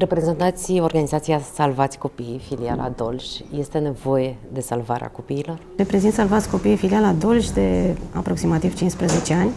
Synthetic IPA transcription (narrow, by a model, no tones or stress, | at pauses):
re̞pɾe̞ze̞nt̪at̪sʲo̞rɡanizat̪sijasalvat̪sʲko̞pijfilia̰lʔa̰d̪o̞lʃʲje̞st̪e̞ne̞vo̞je̞d̪e̞salvaɾḛa̰ko̞piːlo̞rɾe̞pɾe̞zint̪salvat̪sʲko̞pijfilialad̪o̞lʃʲd̪e̞a̰pɾo̞ksimat̪iv̥t͡ʃinspɾəze̞t͡ʃeanʲ